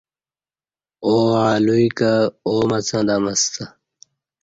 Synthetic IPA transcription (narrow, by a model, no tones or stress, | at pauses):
oːaːluikaoːmɐt͡sʰãːd̪amɐst̪ʰa